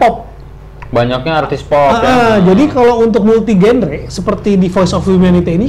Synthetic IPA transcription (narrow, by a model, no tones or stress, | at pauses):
pɔp̚ | baɲak̚ɲaart̪ispɔaʔad͡ʒadikalowunt̪̬ʊk̚mult̪iɡɛnɾesəpərt̪idifɔjsɔfhumanit̪iini